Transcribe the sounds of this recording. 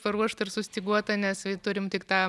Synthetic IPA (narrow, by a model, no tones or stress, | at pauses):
pɐɾuɔʃt̪ɐɪɾsʊsʲt̪ʲɪɡuɔt̪ɐnʲɛsɐt̪ʊɾʲɪmt̪ʲɪkt̪ɑː